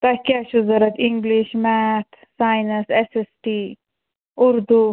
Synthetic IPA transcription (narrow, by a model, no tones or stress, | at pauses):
t̪ɐkʲaʃuzɐɾɐt̪ʰiŋɡliʃmæt̪ʰ | saːjnɐsesesʈi | ʊɾd̪u